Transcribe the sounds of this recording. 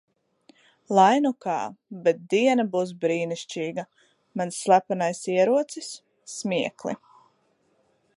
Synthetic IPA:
lˠajnuka̰ːbɛt̪̚d̪iɛnɐbuːs̬bɾiːniʃt͡ʃiːɡa | mansːlˠapanajsiɛɾuɔt̪sisː | miɛklˠḭ

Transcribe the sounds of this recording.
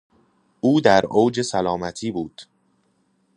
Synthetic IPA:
ʔuːd̪æɾoːd͡ʒesælɒːmæt̪ʰiːbuːd̪̥

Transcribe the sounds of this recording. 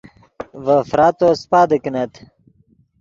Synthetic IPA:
vəfɾaːt̪ospaːd̪əkinɐt̪

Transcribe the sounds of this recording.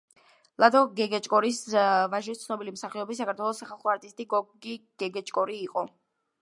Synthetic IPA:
lˠad̪ɔɡɛɡɛt͡ʃʼkʼɔɾisvaʒist̪sʰnɔbilimsaχiɔbis̬ːakʰaɾt̪ʰwɛlˠɔsːaχalˠχɔaɾt̪ʼist̪ʼiɡɔɡiɡ̥ɛɡɛt͡ʃʼkʼɔɾiːqʼɔ

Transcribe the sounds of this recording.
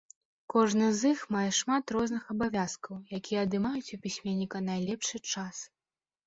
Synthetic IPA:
kɔʐnɨzɨxmajɛʂmat̪rɔznɨxɐbavʲaskɐwjakʲijɛɐd̪ɨmajut͡sʲupʲisʲmʲɛnʲːikɐnajlʲɛpʂɨt͡ʂas

